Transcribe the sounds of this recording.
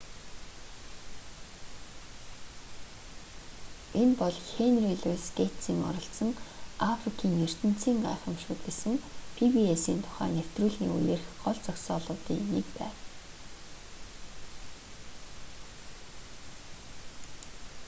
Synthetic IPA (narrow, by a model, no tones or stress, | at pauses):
enpɔɮxenriɮuːsɡet̪t͡siːŋɔ̰ɾɞ̆ɬt̪sɞ̆ŋafrikʰiːŋjer̥t̪ɘ̆n̥t͡siːŋɢa̰ːχə̆mʃʊːt̪ɡesɘ̆ŋpʰiwiesiːnt̪ʰʊ̥χæ̰ːnew̥t̪ruːɮnḭːṵjeːrxɢɔɮt͡sɔksɔːɮɞ̆wt̪iːnekpæ̰ːw